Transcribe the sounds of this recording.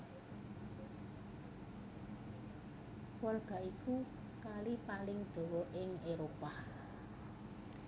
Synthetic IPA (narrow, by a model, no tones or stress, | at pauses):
wɔlɡ̥a̤iku | kalipalɪŋd̪̥o̤wɔʔɪŋeɾopa